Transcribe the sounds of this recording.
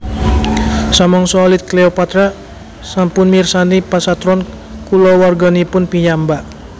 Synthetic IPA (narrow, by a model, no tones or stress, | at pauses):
samɔŋsɔlɪt̪̚kleopat̪ɾa | sampʊnmirsanipasat̪ɾɔn | kulɔwarɡanipʊnpiɲamba